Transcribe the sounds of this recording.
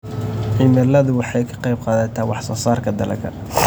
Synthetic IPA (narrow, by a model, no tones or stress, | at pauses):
ʕɪmɛlɐðʊwɑħɑjkʰɐ̥qɑjb̚qɑːðɐt̪ʰaːwɑħsɐsaːrkʰɐd̪ɐlɐ̰kʰɐ̰